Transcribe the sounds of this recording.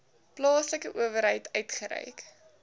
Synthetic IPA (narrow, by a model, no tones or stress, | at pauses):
plɑːsləkəʔuəvəɾɦəjtœɥtχəɾɛ̰jk